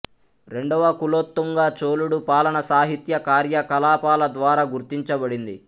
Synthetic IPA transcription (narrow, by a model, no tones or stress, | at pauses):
ɾe̞ɳɖɐʋɐkuloːt̪ːuŋɡaːt͡ʃoːluɽupaːlɐɳɐsaːɦit̪jɐkaːɾjɐkɐlaːpaːlɐd̪ʋaːɾaːɡuɾt̪iɲt͡ʃɐbɐɽind̪i